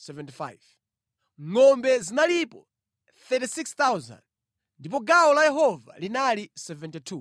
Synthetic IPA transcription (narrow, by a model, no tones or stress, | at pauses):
sɛvɛntifa̰jv | ŋɔmbɛzinalipɔ | θɛtisikst̪awza̰nd | ndip̬ɔɡaɔlajɛɦɔva̰linalisɛvɛntitʰu